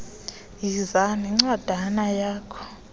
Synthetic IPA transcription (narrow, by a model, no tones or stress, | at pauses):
jizanɛŋ͡ǀad̥ʱanajaːkʰɔ̥